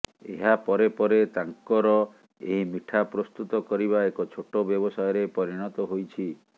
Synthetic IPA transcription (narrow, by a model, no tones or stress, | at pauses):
ḛɦapɔɾepɔɾet̪aŋkɔɾɔ | eɦimiʈʰapɾɔst̪ut̪ɔkɔɾiβaekɔt͡ʃʰoʈobjɔbɔsɔjɔɾepɔɾiɽ̃ɔt̪ɔɦojt͡ʃʰi